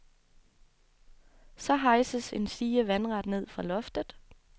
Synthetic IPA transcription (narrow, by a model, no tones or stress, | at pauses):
sɒ̽ɦɑ̈ɪsəse̝nsiːəʋænʁɑd̥ne̝ð̞̰ˠfʁɑ̈lɒ̽fd̥əðˠ